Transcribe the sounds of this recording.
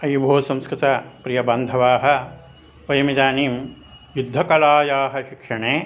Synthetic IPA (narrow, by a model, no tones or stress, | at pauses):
ɐjbʱoːsɐ̃mskɾɪt̪apɾijɐbɐnd̪ʱɐʋaːɦɐ̆ | ʋɐjɐmid̪aːniːm | jud̪ʱːɐkɐlaːjaːɦɐʃikʂɐɳeː